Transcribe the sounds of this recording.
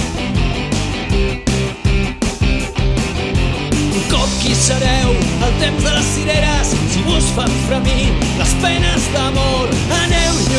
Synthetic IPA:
uŋkɔp̚kisəɾɛwəlˠt̪emzðələsːiɾeɾəssiβusfaɱfɾəmiləspɛnəzðəmoɾ | ənɛwʎ

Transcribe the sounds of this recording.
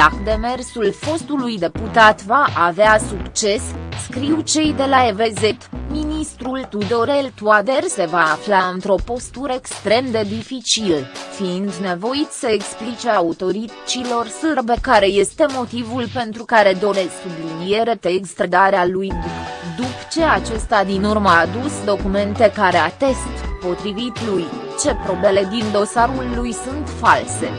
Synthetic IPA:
akd̪e̞me̞rsulfo̞st̪ulujd̪e̞put̪at̪vaʔaveasukt͡ʃe̞skɾiwt͡ʃe̞jd̪e̞laeve̞zet̪minist̪ɾult̪ud̪o̞ɾelt̪uad̪erse̞vaːflaɨnt̪ɾo̞po̞st̪uɾəekst̪ɾe̞md̪e̞d̪ifit͡ʃilfiind̪ne̞vo̞isəeksplit͡ʃeaaut̪o̞ɾi | t͡ʃilo̞rsɨrbe̞kaɾe̞je̞st̪e̞mo̞t̪ivulpe̞nt̪ɾukaɾe̞d̪o̞ɾe̞ssublinije̞ɾe̞t̪eːkst̪ɾed̪aɾealujd̪upt͡ʃe̞at͡ʃe̞st̪ad̪inurməad̪usd̪o̞kume̞nt̪e̞kaɾeat̪e̞st̪po̞t̪ɾivit̪luj | t͡ʃe̞pɾo̞ble̞le̞d̪ind̪o̞saɾulːujsunt̪false̞

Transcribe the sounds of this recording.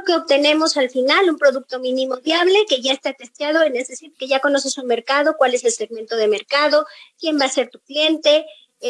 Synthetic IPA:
keoβt̪e̞ne̞mo̞salfinalumpɾo̞ðuk̚t̪o̞mĩnĩmo̞βjaβ̞le̞ke̞ʝae̞st̪at̪e̞st̪jað̞o̞enesðesiɾke̞ʝako̞no̞se̞sunme̞ɾkað̞o̞kwale̞se̞lseɣment̪o̞ð̞eme̞ɾkaðo̞kje̞mbaːse̞ɾt̪uklje̞nt̪e̞

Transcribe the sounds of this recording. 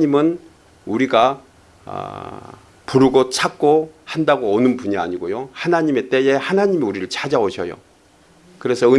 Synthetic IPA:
ɲimɯn | uɾiɡa | ʌ̰ | puɾuɡot͡ɕʰak̚k͈ohandaɡoonɯnpuɲia̰ɲiɡojohanaɲime̞t͈e̞e̞hanaɲimiuɾiɾɯɭt͡ɕad͡ʑaoɕʰʌ̰jo̰ | kɯɾe̞sʰʌɯ

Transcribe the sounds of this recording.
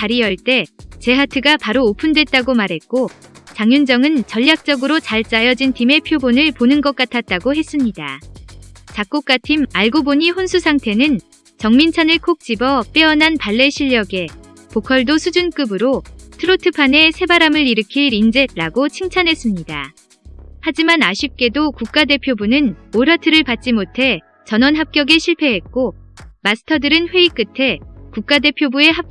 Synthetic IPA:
t͡ɕaɾijʌɭt͈e̞t͡ɕe̞ɦatʰɯɡapaɾoːpʰundwe̞t̚t͈aɡomaɾɦe̞t̚k͈ot͡ɕaŋjund͡ʑʌŋɯnt͡ɕʌʎːak̚t͡ɕ͈ʌɡɯɾot͡ɕaɭt͡ɕ͈ajʌd͡ʑintʰime̞pʰjobonɯɭponɯnɡʌk͈̚atʰat̚t͈aɡoɦe̞s͈ɯmɲida̰ | t͡ɕak͈ok͈atʰimaɭɡoboɲiɦonsʰusʰaŋtʰe̞nɯn | t͡ɕʌŋmint͡ɕʰanɯɭkʰok̚t͡ɕ͈ibʌp͈eʌnɦanpaɭːe̞ɕʰiʎːjʌɡe̞ | pokʰʌɭdosʰud͡ʑunk͈ɯbɯɾotʰɯɾotʰɯpʰane̞sʰe̞baɾamɯɾiɾɯkʰiɾind͡ʑe̞t̚t͈aɡot͡ɕʰiŋt͡ɕʰanɦe̞s͈ɯmɲida | had͡ʑimanaɕʰip̚k͈e̞dokuk̚k͈ade̞pʰjobunɯnoɾatʰɯɾɯɭpat̚t͡ɕ͈imotʰe̞ | t͡ɕʌnwʌnɦap̚k͈jʌɡeɕʰiɭpʰe̞ɦe̞t̚k͈omasʰɯ̥tʰʌdɯɾɯnɸwe̞ik͈ɯtʰe̞kuk̚k͈ade̞pʰjobue̞ɦa

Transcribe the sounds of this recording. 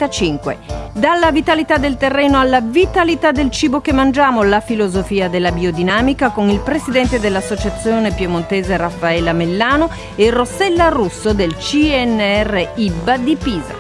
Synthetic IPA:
at͡ʃiŋkwḛd̪alːavit̪alit̪ad̪ːelt̪erːɛːnoalːavit̪alit̪ad̪ːelt͡ʃiːbok̟emːand͡ʒaːmolafilozofiːad̪elːabiod̪inaːmikakonilpɾezid̪ɛnt̪ed̪elːasːot͡ʃat̪sːjoːnepjomont̪eːzerafːaɛlːamelːaːno | erosɛlːarusːod̪elt͡ʃiɛnːɛrːeibːad̪ipiːza̰

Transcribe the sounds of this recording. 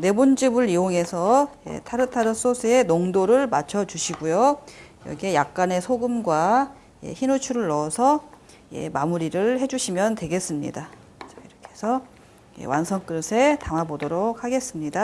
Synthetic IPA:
ne̞bond͡ʑibɯɾioŋe̞sʰʌje̞̰tʰaɾɯtʰaɾɯs͈osʰɯe̞noŋdoɾɯɭmat͡ɕʰʌt͡ɕuɕʰiɡujojʌ̰ɡie̞jak̚k͈ane̞sʰoɡɯmɡwa | jḛçinut͡ɕʰuɾɯɭːʌsʰʌ | je̞̰mamuɾiɾɯɭhe̞d͡ʑuɕʰimjʌntwe̞ɡe̞s͈ɯmɲḭda | t͡ɕʌiɾʌkʰe̞sʰʌ | jḛwansʰʌŋk͈ɯɾɯsʰe̞taŋabodʌɾok̚haɡe̞s͈ɯmɲida

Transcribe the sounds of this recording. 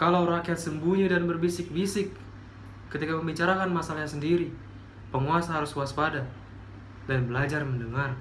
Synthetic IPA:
kalawɾakiat̪səmbuɲidanbərbisɪk̚bisɪkː | ət̪ikapəmbit͡ʃaɾakanmasalɲasəndiɾi | pəŋuasaɦaɾʊskuaspada | danbəlad͡ʒarməndəŋar

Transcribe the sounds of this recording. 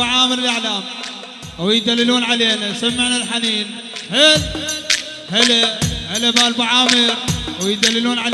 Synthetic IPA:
aʕaːmɪɾɪlʔaʕlaːm | wjd̪alːɪluːnʕaleːnasamːɪʕnalħaniːn | heːl | hɪlahɪlabaːlbaʕaːmɪɾwjd̪alːɪluːnʕal

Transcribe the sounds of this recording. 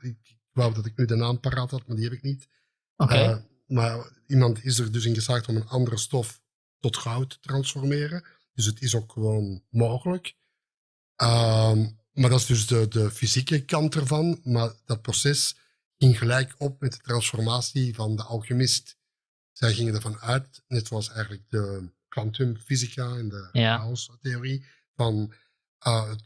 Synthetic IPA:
ɪkɪ | lodɑtɪknydənaːmpaɾaːthɑtmaːrdiɦɛpɪk̚nit | o | maːr | imɑntɪsərdɵsɪnɣəslaːxtɔmənɑndərəstɔf | tɔtxɑwtə̥trɑnsfɔrmɪːrə | d̥ɵs̬ətɪsoːkxəʋoːnmoːɣələk | ə | maːrdɑɪzdɵzdədəfizikəkɑntərvɑnmaːɹd̥ɑt̚prosɛs | ɣɪŋɣəlɛjkɔp̚mɛt̚d̥ətrɑnsfɔrmaːsivɑndəʔɑlˠɣəmɪst | z̥ɛjɣɪŋəndərvɑnœɥtnɛtsoɑlˠsɛjɣənləɡ̚dəklɑntʏmfizikaɛndəawsteori | v̥ɑn | əːət

